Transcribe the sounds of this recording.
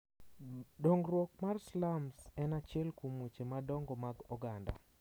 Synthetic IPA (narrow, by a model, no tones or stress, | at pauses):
dɔŋɡɾwɔkmarslamsɛnat͡ʃɪɛlkomut͡ʃemadɔŋɡɔmaɡɔɡanda̰